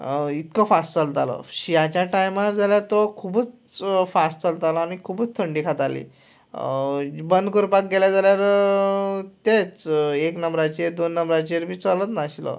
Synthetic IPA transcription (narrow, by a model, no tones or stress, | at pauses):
it̪kəfasʈt͡səlt̪alə̰ɕijat͡ɕjaʈajmaɾd͡zaljaɾt̪ɔkʰubuːt͡s | fasʈt͡səlt̪aləañikʰubuːt͡st̪ʰəɳɖikʰat̪alḭ | bənd̪kuɾpak̚ɡeljad͡zaljaɾ | t̪et͡seknəmbɾat͡ɕieɾd̪onːəmbɾat͡ɕieɾmiːt͡sələt̪naɕilə̰